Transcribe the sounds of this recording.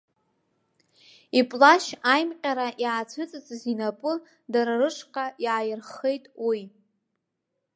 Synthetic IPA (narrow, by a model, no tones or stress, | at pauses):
ipʼlaʃajmqʲʼaɾaʔiʕat͡sʷʰɨt͡sʼɨt͡sʼɨzinapʼɨ | daɾarɨʂʰʼqʼaiʕajɪrχejtʼwi